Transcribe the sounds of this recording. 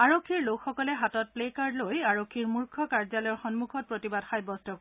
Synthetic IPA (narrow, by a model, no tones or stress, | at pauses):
aɹokʰːiɹlokxɔkɔlɛɦatɔt̚plekaɹlojaɹokkʰːiɹmuɹkʰɔkaɹzalɔjxɔnmukʰɔt̚pɹotibadxajbɔstɔk